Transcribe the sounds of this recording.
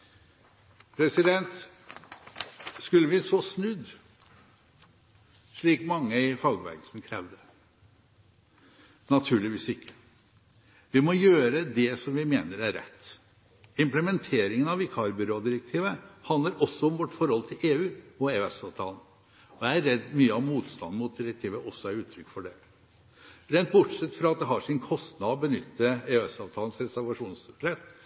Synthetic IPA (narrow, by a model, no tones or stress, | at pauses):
pʰɾɛsɪd̪ɛnt̪ | skʉlːəʋɪsɔsnʉd̪ | ʂɭiːkmɑŋːəɪfɑːɡʋæ̰ɡəlsnkʰɾɛːʋd̪ə | nɑt̪ʰʉːɭɪʋiːsɪkːə̥ | ʋɪmɔjøːɾəd̪ɛsɔmʋɪmeːnəɾæɾɛ̰t̪ː | ɪmpləmɛnt̪ʰeːɾɪŋənɑʋɪkʰɑɾbʏɾoːd̪ɪɾək̚t̪ʰiːʋəhɑnd̪əɾʔɔsːɔɔmʋɔʈːfɔɾhɔlt̪ʰɪlʔeːʉːɔeːʉɛsɑːʋt̪ʰɑːln̩ | ɔææɾɛd̪ːmyːəɔmmuːt̪st̪ɑnd̪̩mʊt̪̚d̪ɪɾɛk̚t̪ʰiːʋəʔɔsːɔæɾʉːt̪ʰɾʏkːfɔɖɛ | ɾɛnt̪̚bʊʈʂɛt̪ːfɾɑɑt̪̚d̪ɛɦɑʂɪnkʰɔst̪nɑd̪ɔbənʏ̰t̪ːəeːɛsɑːʋt̪ʰɑːln̩sɾɛsæɾʋɑʂuːnsɾɛt̪